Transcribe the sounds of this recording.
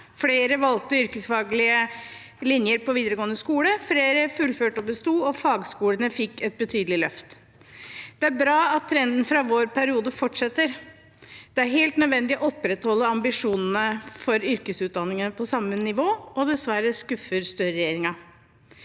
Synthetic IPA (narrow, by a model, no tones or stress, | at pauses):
fleːɾəʋɑlt̪əʏɾkəsfɑːɡlɪə | lɪnjəɾpɔʋiːd̪əɾəɡoːənəskuːləfleːɾəfʉlføːʈɔbəst̪uːɔfɑːɡskuːlənəfɪkːɛt̪̚bət̪ʰyːd̪əlɪlœft̪ | d̪̥ɛæɾbɾɑːɑt̪ʰːɾɛnd̪n̩fɾɑʋoːɾpʰæɾɪuːd̪əfɔʈʂɛt̪ːəɾ | d̪̥ɛæɾɦeːlt̪nœd̪ʋɛnd̪ɪɔɔpːɾɛt̪hɔlːəɑmbɪʂuːnn̩əfɔɾʏɾkəsʉːt̪̚d̪ɑnːɪŋənəpʰɔsɑmːənɪʋoːʔɔd̪ɛsʋæɾəskʉfəɾst̪œɾəɾɛjeːɾɪŋɑ